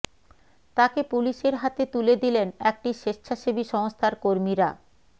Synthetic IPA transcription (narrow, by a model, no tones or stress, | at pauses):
t̪akepuliʃeɾɦat̪et̪uled̪ilenɛk̚ʈiʃeʃt͡ʃʰaʃibiʃɔŋost̪ʰaɾkoɾmiɾa